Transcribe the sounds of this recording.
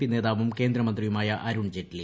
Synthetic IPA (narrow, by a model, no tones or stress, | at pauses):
ine̞ːðaːʋumke̞ːnd̪ɾɐmɐnd̪rijumaːjɐʔɐɾuɳd͡ʑetːil